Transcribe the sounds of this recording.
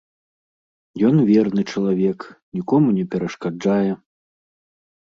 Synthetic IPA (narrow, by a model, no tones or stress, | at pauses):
jɔnvʲɛrnɨt͡ʂɐlˠavʲɛknʲikɔmunʲɛpʲɛɾɐʂkad͡ʐajɛ